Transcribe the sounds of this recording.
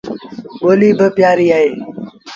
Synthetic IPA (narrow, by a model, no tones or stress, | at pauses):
ɓoːliːbəpjaːɾiːaːɦeː